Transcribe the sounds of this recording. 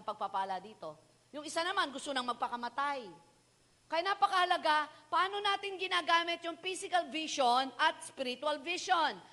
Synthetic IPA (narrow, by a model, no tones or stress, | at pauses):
pɐɡ̚papaːlɐd̪iːt̪o̞ | jʊŋɪsanɐmanɡʊst̪onɐŋmɐɡ̚pɐkɐmɐt̪aj | kɐjanapɐkɐhɐlɐɡapɐʔaːno̞naːt̪ɪŋɡɪnaːɡaːmɪt̪̚jʊŋfisɪkɐlviʃonʔɐt̪̚spɪɾɪt̪ʊalviʃon